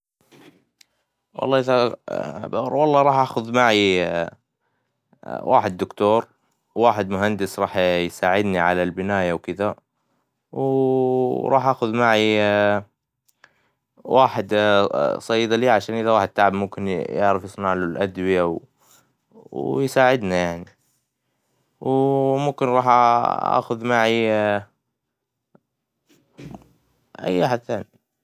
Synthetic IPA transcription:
wɑ̰lˤːɑːʔɪða | wɑlˤːɑːɾˤɑːħʔaːxʊðmaʕi | wʔa̰ːħɪd̪ːʊkt̪uːɾ | waːħɪd̪mʊɦand̪ɪsɾˤɑːħjsaːʕɪd̪niʕalalbɪnaːjawkɪða | w | ɾˤɑːħʔaːxʊðmaʕi | wʔaːħɪd̪sˤɑjd̪liːʕaʃaːnʔɪðawaːħɪd̪̚t̪aʕabmʊmkɪnjɪ̰ʕɾɪfjɨsˤnaʕlulʔad̪wɪjaw | wjsaːʕɪd̪najaʕni | wmʊmkɪnɾˤɑːħʔaa̰ːxʊðmaʕi | ʔa̰jːʔaħad̪θaːni

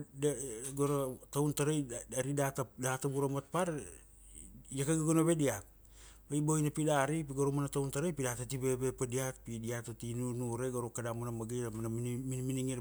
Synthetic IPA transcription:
ɡoɾatawntaɾojaɾidatadatabuɾamat̚paɾ | jakaɡaɡonaβe̞diat̚ | bajbojnapidaɾipiɡoɾomanatawntaɾojpidatatibe̞bepadiat̚pidiatotinunuɾeɡoɾokadamanamaɡiɾamanaminminiŋiɾ

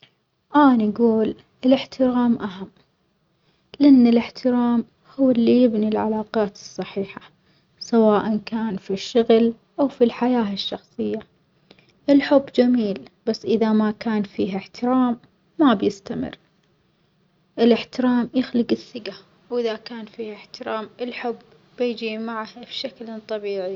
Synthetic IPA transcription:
ʔaːnɡuːl | ɪlɪħt̪ʰɪɾaːmʔaɦamː | lɪʔɪnːɪlɪħt̪ʰɪɾaːm | hʊwːɪlːijɪbnilʕa̰laːqɑːt̪ɨsˤːɑħiːħḁ | sawaːʔankaːnfiʃːʊɣl | ʔawfilħajaːɪʃːɑxsˤɨjːa | ʔɪlħʊbːd͡ʒamiːlb̥asːʔɪðamakaːnfiːɦɪħt̪ɪɾaːmː | abjɪst̪amɪ̰rː | ʔɪlɪħt̪ɪɾaːmjɪxlɪɡɪθːɪɡa | wʔɪðakaːnfiːɪħt̪ɪɾaːmɪlħʊbː | ɪjd͡ʒimaʕahbʃaklt̪ˤɑbiːʕi

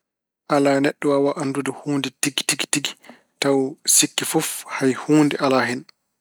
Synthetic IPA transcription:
ʔalanɛɗːɔwawaʔanːdudɛhuːnditiɡi̥tiɡi̥tiɡi̥ | tawsikːifɔfhajhuːndɛʔalaɦɛn

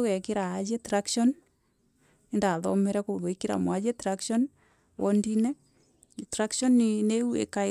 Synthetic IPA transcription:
wɛkeɾaːd͡ʒetɾakʃɔn | indaðɔ̰mɛɾɛkoðoekiɾa̰mwad͡ʒetɾakʃɔn | wʔɔndinɛ | tɾakʃɔnːineuḛka

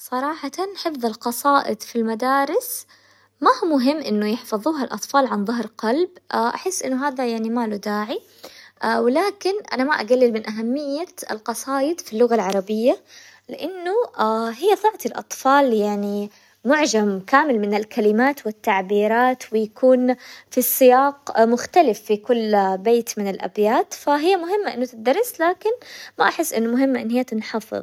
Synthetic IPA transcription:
sˤɑɾˤɑːħɑt̪anħɪfðˤɪlqɑsˤɑːʔɪ̰d̪filmad̪aːɾɪs | mahumʊɦɪmːʔɪnːʊjɪħfɑðˤuːɦalʔɑt̪ˤfɑːlʕanðˤɑɦɾqɑlbʔaʔa̰ħɪsːʔɪnːʊɦaːðajaʕnimaːlud̪aːʕi | wɪlaːkɪnʔa̰namaʔaɡalːɪlmɪnʔaɦamːɪjːaɪ̰lqɑsˤɑːjɪd̪filːʊɣalʕɑɾˤɑbɪjːa | lɪʔanːʊaɦɪjːaðˤɑʕt̪ɪlʔɑ̰t̪ˤfɑːljaʕni | mʊʕd͡ʒamkaːmɪlmɪnɪlkalɪmaːt̪wɪt̪ːaʕbiːɾaːt̪wɪjakʰuːnfisˤːɪjaːqmʊxt̪alɪfːikʊlːbeːt̪mɪnɪlʔa̰bjaːt̪faɦɪjːamʊɦɪmːaʔɪnːʊt̪ɪt̪̚d̪ɑɾˤːɪslaːkɪnmaʔaħɪsːʔɪ̰nːʊmʊɦɪmːaʔɪ̰nːhɪjːat̪ɪnħɑfɨ̰ðˤ

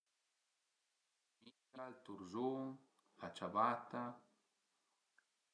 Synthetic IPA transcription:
mitalt̪uɾzuŋ | at͡ʃabat̪a

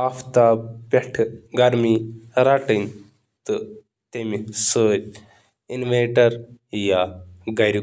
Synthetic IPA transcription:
aft̪aːpeʈʰɡɐɾmiɾaʈɨn | t̪ɨ | t̪emisoɾ | inʋeʈɐɾjaɡɐjɾi

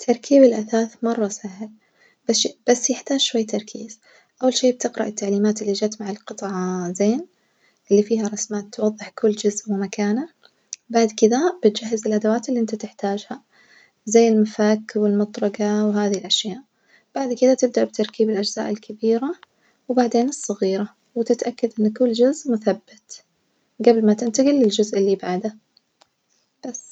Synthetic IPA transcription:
t̪ʰːɑɾˤkʰiːbɪlʔaθaːθmɑrˤːɑsaɦɪl | b̥ab̥asːjɪħt̪aːd͡ʒʃwajːt̪ɑɾˤkʰiːz̥ | ʔawːalʃeːb̚t̪ɪqɾɪ̰ʔɪt̪ːaʕliːmaːt̪ɪlːid͡ʒaːt̪maʕɪlqɨt̪ˤʕɑzeːn | ʔɪlːifiːhaɾˤɑsmaːt̪ːwɑðˤːɨħkʊlːd͡ʒʊzʔwɪmakaːna | baʕd̪kɪd̪ab̥ɪt̪d͡ʒahːɪzɪlʔad̪awaːt̪ɪlːiʔɪnt̪at̪ɪħt̪aːd͡ʒha | zajːɪlmafakwɪlmʊt̪ˤɾˤɑɡɑwɦaːðiɪlʔaʃjaːʔ | b̥aʕd̪kɪðat̪ɪb̚d̪aʔbt̪ɑɾˤkiːbɪlʔad͡ʒz̥a̰ːʔɪlkʰabiːɾa | wbaʕd̪eːnɨsˤːɑɣiːɾa | wɪt̪ɪt̪ʔakːad̪ʔɪnːkʊlːd͡ʒʊzʔmʊθabːɪt̪ | ɡablmat̪ɪnt̪aɡilːɪld͡ʒʊzʔɪlːibaʕd̪a | b̥asː

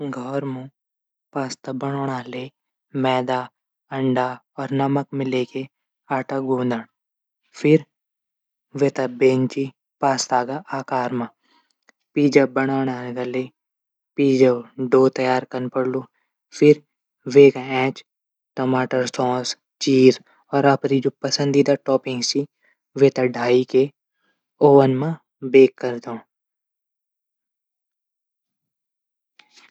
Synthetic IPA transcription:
ɡʱɔːɾmũ | paːst̪abɐɽ̃oːɽ̃aːleː | mɛːd̪aː | əɳɖa | ɔːɾnɐməkmɪ̃leːke | aːʈəɡʱũːnd̪əɳ̃ | fʰɪɾ | ʋet̪abeːnt͡ʃi | paːst̪aːɡaʔaːkaːɾma | piːd͡ʒabɐɽ̃aːɽ̃aːlɡale | piːd͡ʒaɖoːt̪ɐjaːɾkənpəɽloː | fʰɪɾ | ʋeːkaɛ̃ːt͡ʃ | ʈɐmaːʈəɾsɔ̃ːs | t͡ʃiːɾ | ɔːɾɐpɾid͡ʒopəsə̃nd̪id̪aʈɔːpɪ̃ŋɡsi | ʋeːt̪ɐɖʱaːike | oːʋənmã | beːkːəɾd̪õː

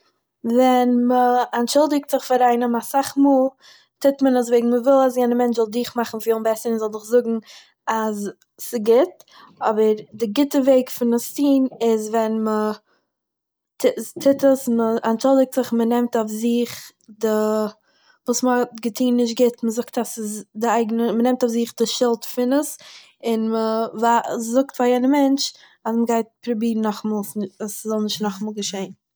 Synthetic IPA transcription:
vɛnməanʃʊlˠdɪk̚tz̥ɪχfaɾaɪnəmasaχmuːlˠ | tʰɪtmənəs̬veɪɡŋ̩məvɪlˠas̬jɛnəmɛnt͡ʃzɔlˠdʊːχmaχn̩fjoʊnbɛsəɾɪnzɔlˠzɪχzʊɡŋ̩ | az | sɪɡɪt | ɔbəɾdɪɡɪtəveɪkfɪnastiːnɪzvɛnmə | tʰɪtʰɪtəsməanʃʊlˠdɪk̚tz̥ɪχmənɛmtaʊfziχ | dɪ | vuːsməɔtɡətʰiːnːɪʃ̬t̚ɡɪtməzʊktasɪsdɪaɪɡənəmənɛmtafziχdɪʃɪlˠtfɪnəs | ɪnməvazʊktfajɛnəmɛnt͡ʃ | asməɡaɪt̚pɾʊbiːɾn̩ɔχmɔːlˠsaszɔlˠnɪʃtnɔχmɔːlˠɡəʃeɪn

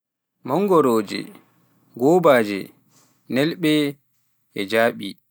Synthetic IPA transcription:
mɔŋɡɔɾoːd͡ʒɛ̰ | ɡɔːbaːd͡ʒɛ̰ | nɛlɓɛ | ɛd͡ʒaːɓi

